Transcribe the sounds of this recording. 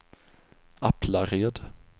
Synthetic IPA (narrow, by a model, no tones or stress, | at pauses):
apʰlaɾeːd̪